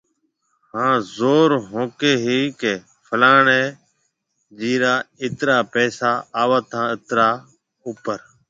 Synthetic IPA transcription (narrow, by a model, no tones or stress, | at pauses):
hãːzoːɾɦõːkeːɦiːkeː | pʰəlaːɳeː | d͡ʒiːɾaːɪt̪ɾaːpɛːsaːaːʋaːt̪ãːɪt̪ɾaː | uːpəɾ